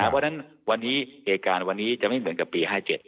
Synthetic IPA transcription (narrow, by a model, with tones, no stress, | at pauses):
a˦˩pɔ˥˩na˦˥n | wa˧nːiː˦˥heː˨˧t̪̚kaː˧nwa˧nːiː˦˥t͡ɕa˨˩ʔma˥˩jmɯ˩˦nka˨˩pːiː˧haː˥˩t͡ɕe˨˩t̪̚